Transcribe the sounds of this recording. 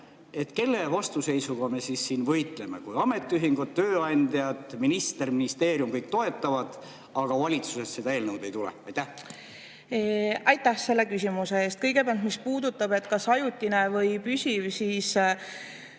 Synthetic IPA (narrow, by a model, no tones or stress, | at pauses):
e̞t̪ːke̞lːe̞vɑst̪use̞jsuɡ̥ɑme̞sisːiːnvɤjt̪ˑle̞me̞̰kujɑme̞t̪ˑːyɦiŋɡud̪̚t̪øːɑnʲd̪̥ʲjɑd̪minist̪erminist̪e̞ːɾjumkɤjk̚t̪o̞e̞t̪ːˑɑvɑd̪̥ | ɑɡ̥ɑvɑlʲit̪su̥se̞ssed̪ɑe̞ːlnɤwd̪e̞jt̪ulḛɑjt̪ːæh | ɑjt̪ːˑæhse̞lːe̞kysʲimuseeːst̪̚kɤjɡe̞pæɑlt̪mispuːd̪ut̪ːˑɑbe̞t̪kɑsɑjut̪ʲːˑine̞vɤjpysʲivsiːs